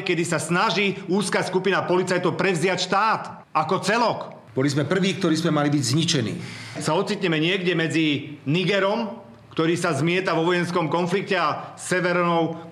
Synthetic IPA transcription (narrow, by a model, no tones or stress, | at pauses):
kɛd̪isasnaʒiuːskaːskupinapɔlit͡sajt̪ɔʊpɾɛvzɪacʃt̪aːt̪ | akɔt͡sɛlɔk | b̥ɔlizmɛpr̩ʋiːk̚t̪ɔɾiːzmɛmalibiɟzɲit͡ʃɛnḭːsaɔt̪t͡sit̪ɲɛmɛɲɪɛɡɟɛmɛd͡ziniɡɛɾɔm | kt̪ɔɾiːsazmɪɛt̪aʋɔʋɔjɛnskɔmkɔnflikcɛasɛʋɛɾnɔʊ